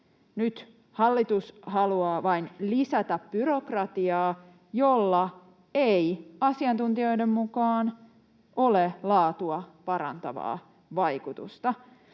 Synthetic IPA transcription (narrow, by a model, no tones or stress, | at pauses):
nyt̪ | hɑlːit̪ushɑluɑːʋɑinlisæt̪æpb̥yɾokrɑt̪iɑː | jolːɑ | ejɑsiɑnt̪unt̪io̞jdemmukɑːn | ʔolelɑːt̪uɑpɑɾɑ̰nt̪ɑʋɑ̰ː | ʋɑjkut̪ust̪ɑ